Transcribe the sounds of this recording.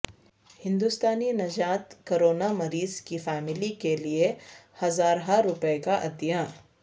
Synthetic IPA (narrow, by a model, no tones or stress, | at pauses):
hɪ̃nd̪ʊst̪aːninɐd͡ʒaːt̪koɾoːnamɐɾiːzkifɛːmɪlikeliehɐzaːɾɦaɾʊpekaʔɐd̪ijaː